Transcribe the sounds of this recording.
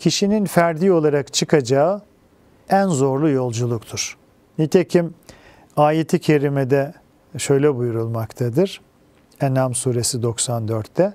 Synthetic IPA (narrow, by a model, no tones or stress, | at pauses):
cʰiʃininfæɾd̪iːo̞lˠaɾakt͡ʃʰɯkʰad͡ʒaɯ | ænzo̞ɾlˠujo̞lˠd͡ʒulˠukt̪ʰuɾ̥ | nit̪ʰecʰim | aːjet̪ʰicʰe̞ɾimed̪ɛ | ʃø̞jlʲɛbujuɾulˠmakt̪ʰad̪ɯɾ̥ | ɛnamsuːɾe̞sid̪o̞ksand̪øɾt̪ːɛ